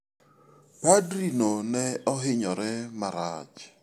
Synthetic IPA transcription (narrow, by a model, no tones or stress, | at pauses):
padɾinonɛɔɦɪɲɔɾɛmaɾad͡ʒ